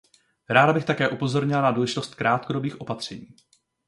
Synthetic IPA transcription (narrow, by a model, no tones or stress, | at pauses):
ɾaːdabɪxt̪akɛːʔupo̞zo̞ɾɲɪlanaduːlɛʒɪt̪o̞st̪kɾaːt̪kodo̞biːxʔo̞pat̪r̝̥ɛɲiː